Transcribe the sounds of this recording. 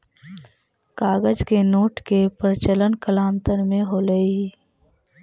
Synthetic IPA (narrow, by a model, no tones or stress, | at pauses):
kaːɡəd͡ʒkenoːʈkepəɾt͡ʃələnkəlaːmt̪ənmẽɦoːləiː